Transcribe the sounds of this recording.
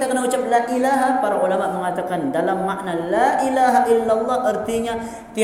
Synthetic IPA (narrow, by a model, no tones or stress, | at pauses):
t̪aʔkənaɦut͡ʃap̚laʔilaɦapaɾaʔulamaʔməŋat̪akandalamːaʔnalaʔilaɦaʔilːalˤːɑɦʔərt̪iɲa | t̪i